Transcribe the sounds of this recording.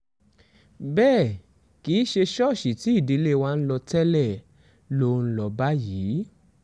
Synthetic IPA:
bɛː˦˨ | ki˨˦ʃe˧ʃɔ˦˨ʃi˨ti˨˦i˦˨di˨˧˦le˦˨˧wã˦n̩˦lɔ˧tɛ˦lɛ˦˨ | lo˦˧n̩˦lɔ˧ba˦jiː˨˦

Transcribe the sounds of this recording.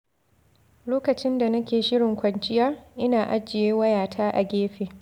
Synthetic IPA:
loː˦kɐ˨t͡ʃɪ˦nda˨nɐ˦kʲeː˨ʃɪ˦ɽɪ˨ŋkʷɐ˨nt͡ʃʼɪ˦jaː˦ʔɪ˦naː˨ʔa˦d͡ʒɪ˨jeː˦wɐ˦jaː˨tʰaː˦ʔa˨ɡʲeː˦ɸeː˨

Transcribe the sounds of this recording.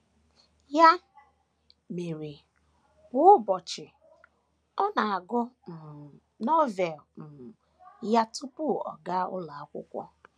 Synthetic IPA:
ja˦ | me˨ɾi˨ | bʊ˨˦bɔ˨t͡ʃɪ˨ | ɔ˦na˨a˨ɡɔ˦m̩˨ | nɔ˦vɛ˨lm̩˨ | ja˦tu˦pʊ˦˨ɔ̰˨ɡa˦ʊ̰˦la˨a˦kʷʊ̰˦kʷɔ̰˦

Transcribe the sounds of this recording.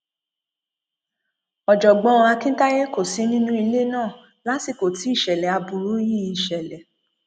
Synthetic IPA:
ɔ˨d͡ʒɔ˨ɡ͡bɔ̃˨˦ɔ̃˧a˧kĩ˦ta˦je˦ko˦˨si˨˦nĩ˦nũ˦i˧le˦nãː˦˨ | la˨˦si˦˨ko˨ti˨˦i˦˨ʃɛ˨lɛ˨a˨˧bu˨˧ɾu˨˦ji˦i˨ʃɛ˨lɛ˨

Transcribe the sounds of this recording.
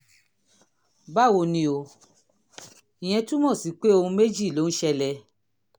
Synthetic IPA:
ba˦˨wo˧nĩ˧˦o˧ | i˨j̃ɛ̃˧tũ˦mɔ̃˦˨si˨˦k͡pe˦o˦˧hũ˧me˦d͡ʒi˦˨lo˨˦n̩˦ʃɛ˧lɛ˧

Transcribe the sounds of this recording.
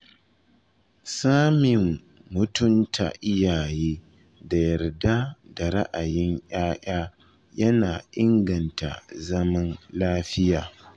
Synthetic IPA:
saː˦mɪ˨mː | ʊ˦tʊ˦ntʰa̰˨ʔɪ˦jaː˨jeː˦ | da˨jɐ˨rda˦da˨ɾa˦ʔa˨jɪ˦ɲj̰aː˦ʔaː˦ | jɐ˦naː˨ʔɪ˦ŋɡɐ˨nta̰˨zɐ˦mɐ˦nlaː˦ɸɪ˦jaː˨

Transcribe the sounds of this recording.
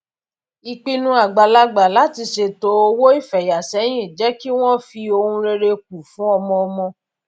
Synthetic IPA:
i˧k͡pi˧nũ˧a˨ɡ͡ba˨la˧ɡ͡ba˨la˨˦ti˧ʃe˧to˨˦o˧wo˦i˦˨fɛ˨ja˨sɛ˨˦j̃ĩ˦˨d͡ʒɛ˨˦ki˦w̃ɔ̃˦fi˧o˧hũ˧ɾe˧ɾe˧k̚u˨fũ˨˦ɔ˧mɔ̃˧ɔ˧mɔ̃˧

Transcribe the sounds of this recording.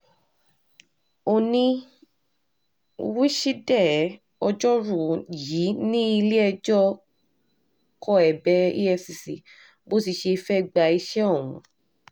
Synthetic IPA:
o˧nĩ˧ | wi˦ʃi˦dɛ˦˨˦ | ɔ˧d͡ʒɔ˦ɾu˦˨ji˨˦nĩ˦i˧le˦ɛ˧d͡ʒɔ˦ | kʰɔ˦˨ɛ˨bɛ˨˦ḭ˦ɛ˧si˨si˨ | bo˦si˧ʃe˧fɛ˦˧ɡ͡ba˧i˧ʃɛ˦ɔ˦˨w̃ṵ̃˨

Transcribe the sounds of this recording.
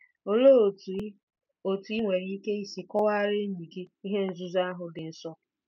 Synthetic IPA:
o˨lo˦˨˦ | o˨tu˨i˦ŋʷe˨ɾi˦i˦ke˦i˦si˨kɔ˦wa˦ɾɪ˦n̩˦ɲi˨ɡi˦i˦ɦe˦n̩˨zu˦za˦a˦ɦʊ˨dɪ˨n̩˨sɔ˦

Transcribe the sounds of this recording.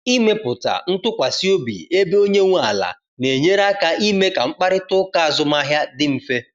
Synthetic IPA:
i˦me˦pʊ˨ta̰˨n̩˦tʊ˦kʷa˨si˦o˦bḭ˨e˦be˦o˦ɲe˦ŋʷu˦a˨la̰˨ | ne˨ɲe˦ɾa˦ka˦ʔi˦me˦ka˨ŋ͡m̩˦k͡pa˦ɾɪ˦tʊ˦ka˦a˨zʊ˦ma˦ɦja˦dɪ˦m̩˨fe˦

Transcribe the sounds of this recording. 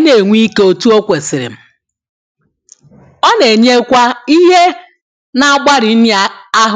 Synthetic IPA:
ne˨ŋʷi˦ke˦o˨tu˦o˦kʷe˨sɪ˨ɾɪ̰˨m̩˦˨ | ɔ˦ne˨ɲe˦kʷa˦i˦ɦe˦ | na˦a˦ɡ͡ba˦ɾi˨˦n˦˨a˦ɦ

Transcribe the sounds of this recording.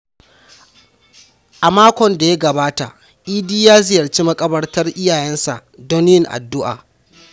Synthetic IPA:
ʔa˨maː˦kʷɔ˨nda˨ja˦ɡɐ˨baː˦ta̰˨ | ʔiː˦diː˦jaː˦zɪ˨jɐ˨rt͡ʃiː˦mɐ˦kʼɐ˦bɐ˦rtɐ˦rʔɪ˦jaː˨jɛ˦nsa̰˨ʔdo˦nɪ˦jɪ˦ŋʔa̰˨dːʊ˦ʔa̰ː˨

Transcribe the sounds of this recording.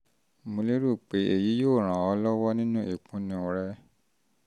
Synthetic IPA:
mũ˧le˦ɾu˦˨k͡pe˨˦ʔe˧˨ji˨˦joː˦˨ɾ̃ã˨ɔ˧˦lɔ˦wɔ˦nĩ˦nũ˦ʔi˨k͡pũ˨˦nĩ˧o˨ɾɛ˧˦

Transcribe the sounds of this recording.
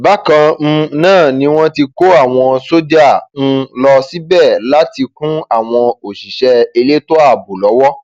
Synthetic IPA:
ba˨˦kã˧m̩˧nãː˦˨nĩ˨˦w̃ɔ̃˦ti˧ko˦a˦˨w̃ɔ̃˧so˦dã˦˨˧lɔ˧si˦bɛ˦˨la˦ti˧kũ˦a˦˨w̃ɔ̃˧o˨ʃi˨ʃɛ˧e˧le˦to˦a˦˨bo˨lɔ˨˦wɔ˦

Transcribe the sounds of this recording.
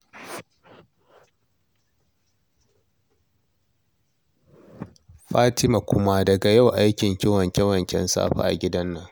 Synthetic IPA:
ɸaː˦tɪ˦ma˨kʷʊ˦ma˦dɐ˨ɡa˨ja˦˨wʔa˦jkʲɪ˨ŋkʲɪ˦wɐ˨ŋkʲɛ˦wɐ˨ŋkʲɛ̰˦nsa̰ː˦ɸa̰ː˦˨ʔa̰˨ɡʲɪ˦dɐ˦nːɐ˨ŋ

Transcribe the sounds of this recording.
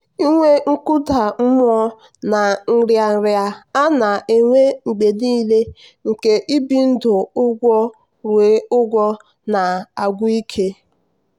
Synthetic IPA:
i˦ŋʷe˦ŋ̩˦kʊ˦da˨m̩˦m˦ɔ˦ | na˨ŋ̩˨ɾja˨n̩˨ɾja˨a˦na˨ʔe˨ŋʷe˦ŋ͡m̩˨ɡ͡be˨niː˦le˦ | ŋ̩˨ke˨ʔi˦bi˨n̩˦dʊ˨ʊ˦ɡʷɔ˦ | ɾwe˨˦ʊ˦ɡʷɔ˦ | na˨a˨ɡʷʊ˦i˦kʰe˦

